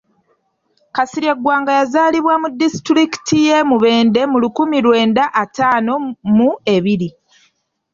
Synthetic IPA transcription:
kasiɾeɡwaːŋɡajazaːliβwamudːistɾiki̥tʰije̞muβe̞ːnde̞mulukumilwe̞ːndaʔːtaːno̞mue̞βiɾi

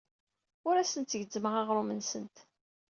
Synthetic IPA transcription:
ʊɾæsənt̪ːəʝəd͡zːməʁɑʁɾˤʊmənsənt̪

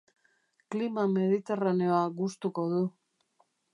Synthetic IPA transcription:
klimame̞ðit̪e̞raneoaɣust̪uko̞ðu

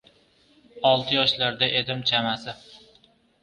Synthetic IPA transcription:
ɒlˠt̪ʰɪjɒʃlaɾd̪aʔe̞d̪ɪmt͡ʃʰamasɪ

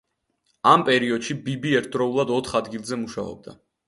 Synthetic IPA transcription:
ampʼɛɾiɔd̪̥ʃibibiɛɾt̪t̪ʼɾɔulˠad̪ɔt̪ʰχad̪ɡilˠzɛmuʃaɔ̰b̚d̪a

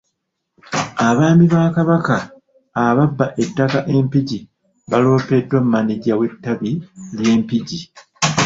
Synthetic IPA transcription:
aβaːmiβaːkaβakaː | βabːaʔe̞tːakaʔe̞mpiɟi | βalo̞ːpe̞dːwamːaniɟawe̞tːaβilje̞ːmpiɟi

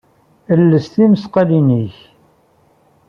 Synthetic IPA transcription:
əlːəsθiməsqɑliniç

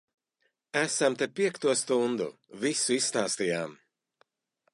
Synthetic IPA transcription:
æsamt̪epiɛkt̪uɔst̪und̪ṵvisuisst̪aːst̪ijaːm

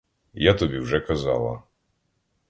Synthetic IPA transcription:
jat̪ɔbʲiwʐɛkaza̰lˠa̰

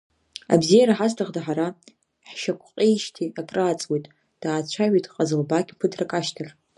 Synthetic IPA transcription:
a̰bzijaɾaħastʰaʁdaħaɾa | ħʃakʷʰʼqʼiʃtʰiakʼraːt͡sʼwejtʼ | d̥aːt͡ɕʷʰaʕʷitʼqʼazɨlbaɡʲpʰɨdrakʼaʃtʰɨr

